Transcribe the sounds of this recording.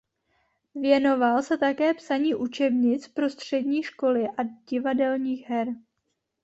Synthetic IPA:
vjɛno̞valsɛt̪akɛːpsaɲiːʔut͡ʃɛbɲɪt͡spɾo̞st̪r̝̥ɛdɲiːʃko̞lɪʔaɟɪvadɛlɲiːxɦɛɾ

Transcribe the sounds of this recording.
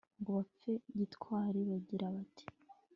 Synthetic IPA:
ŋɡoβap͡fe̞ɟitkwaːɾiβaɟiɾaβati̥

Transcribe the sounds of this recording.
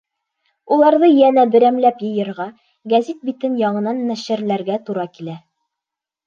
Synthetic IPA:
ulˠɑɾðɤjænæd̪ɘ̆ɾæmlæpjɤ̆jɤ̆ɾʁɑ | ɡæzit̪̚bit̪ɘnjɑɴɤ̆nɑnmæʃɘ̆ɾlæɾɡæt̪uɾɑkilæ

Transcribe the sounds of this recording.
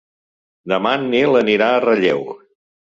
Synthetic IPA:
d̪əmanːilˠəniɾaərəʎḛw

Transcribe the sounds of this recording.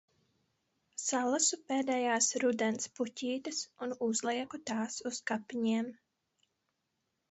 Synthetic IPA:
salˠasupeːd̪ɛːjaːsɾud̪ɛnspucʲiːt̪ɨsunuzlˠiɛkut̪aːsuskapːiɲiɛm

